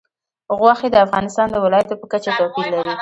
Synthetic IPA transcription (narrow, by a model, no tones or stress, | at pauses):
ɣwɑxed̪əafɣɑnɪst̪ɑnd̪əwɪlɑjat̪opəkat͡ʃat̪apillaɾi